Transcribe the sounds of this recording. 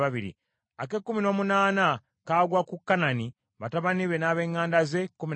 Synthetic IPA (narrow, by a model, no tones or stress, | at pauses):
aβiɾḭ | ake̞kːumino̞ːmunaːna | kaːɡwakukːanani | βataβaniɾe̞naβe̞ŋːaːndaze̞kːumin